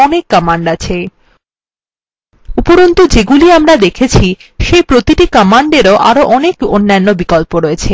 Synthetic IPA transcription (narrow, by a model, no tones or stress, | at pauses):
ɔnekːɔmaɳɖat͡ɕʰe | upoɾont̪od͡ʑeɡuliamɾad̪ekʰet͡ɕʰiʃejpɾot̪iʈikɔmaɳɖeɾoʔaɾoʔɔnekonːanːobikɔlpoɾoet͡ɕʰe